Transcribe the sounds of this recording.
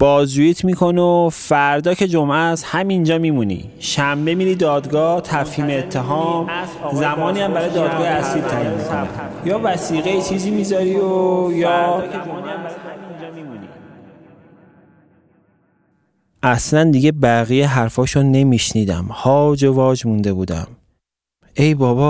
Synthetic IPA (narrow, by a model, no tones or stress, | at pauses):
b̥ɒːzujit̪ʰmiːkʰonofæɾd̪ɒːcʰe̞d͡ʒomʔæshæmind͡ʒɒːmiːmunḭ | ʃæmbe̞miːɾiːd̪ɒːd̪ɡɒːht̪ʰæfhiːmeːt̪ʰːeɦɒːm | zæmɒːniːæmbæɾɒːjed̪ɒːd̪ɡɒːheæsiːɾt̪ʰæmiːmmikʰonḭjɒːvæsiːɣeit͡ʃʰiːziːmiːzɒɾiojɒː | æmbæjæmind͡ʒmimunḭ | ʔæslænd̪iɟe̞bæɣijeɦæɾfɒːʃonnːe̞miʃniːd̪æ̰mhɒːd͡ʒevɒːd͡ʒmund̪e̞buːd̪æ̰m | e̞jbɒːbɒ